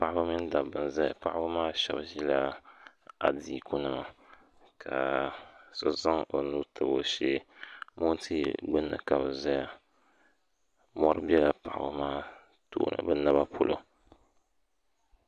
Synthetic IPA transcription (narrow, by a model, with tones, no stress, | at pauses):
pa˨ʔa˦ba˦mi˦n˦da˨bɨ˨n˨za˦ja˨pa˦ʔa˦bɨ˦maː˦ʃɛ˦bʒi˦la˦ | a̰˨diː˨ku˦nɨ˦ma˨ | kʰa˨ | so˦za˦ŋo˨nuː˦tʰɨ˨bo˦ʃe˦mo˦n˦tʰi˦ɡ͡bɨ˦nːɨ̰˨ka˨bɨ˨za˦ja˨ | mɔ˦ɾɨ˦bɛ˦la˨pa˨ʔa̰˨bɨ˦maː˦ | to̰ː˦nɨ̰˨bɨ˦na˦ba˦pʰo˦lʔo̰˦